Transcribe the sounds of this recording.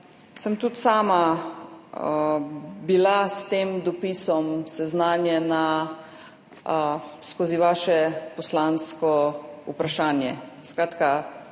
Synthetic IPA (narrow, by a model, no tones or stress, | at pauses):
səmt̪ut̪saːma | bilast̪eːmd̪ɔpisɔmsɛznaːnjɛna | skoːziʋaːʃɛpɔslaːnskɔupɾaʃaːnjɛ̰skɾaːt̪ka